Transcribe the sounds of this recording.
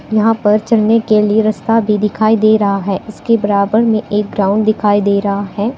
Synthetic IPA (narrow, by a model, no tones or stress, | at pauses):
jɐɦãpɐɾt͡ʃɐlnekelieɾɐst̪abʱid̪ɪkʰaːid̪eːɾɐɦaɦɛːɪskebɐɾaːbəɾmẽʔeːk̚ɡɾãːʊ̃ɳɖd̪ɪkʰaːid̪eːɾɐɦaɦɛː